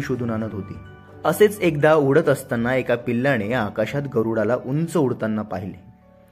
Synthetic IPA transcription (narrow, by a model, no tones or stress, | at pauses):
iɕod̪ʱuːnanət̪ɦot̪ḭː | əset͡sekd̪auɽət̪əst̪anːaekapilːaɽ̃ejːkaɕat̪ɡəɾuɽalaʔunt͡səuɽt̪anːapaɦilḛ